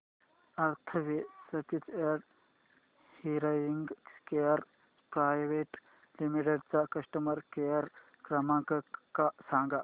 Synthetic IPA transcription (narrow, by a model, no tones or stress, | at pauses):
ɐɾt̪ʰɐʋesɐt͡ʃit͡seɖ | hiɾajiŋɡkejɐɾ | pɾaːjʋeːʈ | limiʈeɖt͡sakɐsʈɐmɐɾkejɐɾ | kɾɐmãːkkasãːŋɡa